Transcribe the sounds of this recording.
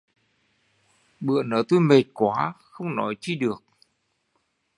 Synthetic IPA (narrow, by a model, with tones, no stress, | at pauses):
ɓɨ̰˧˨ənəː˧˩t̪o˧jme˨˩t̚kwaː˨˦xə˧wŋ͡mnɔ˨˦jt͡ɕi˧ɗɨ˨˩ək̚